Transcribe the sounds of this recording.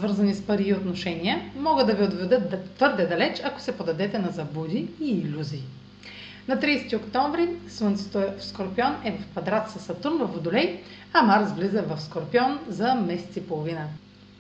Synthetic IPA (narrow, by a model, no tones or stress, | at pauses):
svɤɾzɐnispɐɾiːot̪noʃɛnijəmɔɡəd̪d̪ɐviod̪vɛd̪ət̪t̪vɤɾd̪ɛd̪ɐlɛt͡ʃɐko̥sɛpod̪ɐd̪ɛt̪ɛnɐzɐbud̪iiːlʲuziː | nɐt̪ɾiːst̪iokt̪ɔ̃ɱvɾisvənt̪so̥t̪oɛfskoɾpiɔnɛvɐfkvɐd̪ɾat̪sɐsɐt̪uɾnvɐfod̪ʊlɛj | ɐmaɾsvlizəvɐfskoɾpiɔnzɐmɛsɛ̥t̪sipolˠovinə